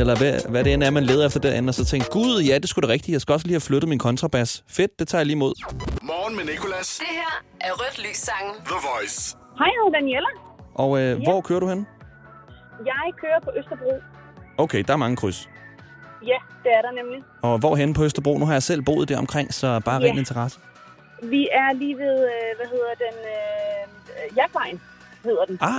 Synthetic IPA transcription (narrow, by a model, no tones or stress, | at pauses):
elɐʋæʋæɾe̝enæɐmænle̝ːð̩ˠefd̥ɐd̥eɐʔen̩ɒsɒ̽t͡sʰeŋ̰ɡ̥̚ɡ̥uðˠjæd̥e̝sɡ̥uɾ̥e̝ʁɛɡ̥d̥ijɑ̈ɪsɡ̥æɒ̽s̬liːhæfløɾ̥ð̩ˠminkʰɒ̽nt͡sʰʁɑ̈b̥æsfe̝d̥̚ːe̝t͡sʰɑ̈ːjliːmo̝ð̞̰ˠmɒːn̩menikʰo̝læsd̥eheɐ̰ | ʔæɐʁœd̥ly̰ːsːɑ̈ŋ̩ðəʋɒɪs | hɑ̈ɪhæðˠd̥ænielə | ʔɒ̽øʋɒ̰kʰøːɐɾ̥uhen | jɑ̈ɪkʰøːɐpʰɒ̽ʔøsd̥ɐb̥ʁṵː | oʊkʰeɪd̥ɑ̈æɐmɑ̈ŋəkʰʁys | jæd̥e̝æɐɾɑnemli | ɒ̽ʋɒɦenəpʰɒ̽øsd̥ɐb̥ʁo̰ːnuɦɑ̈jɑ̈ɪsel̰b̥o̝̰ːð̩ˠd̥æɐɒ̽mkʰʁeŋ̰sɒ̽b̥ɑ̈ːʁɛ̰n̩e̝nt͡sʰɐʁɑ̈sə̥ | ʋiæɐliːʋe̝ðˠʋæɦe̝ð̞ˠɐd̥enø | jæɡ̥ʋɑ̈ɪ̰n̩ | he̝ð̰ˠɐd̥enɑ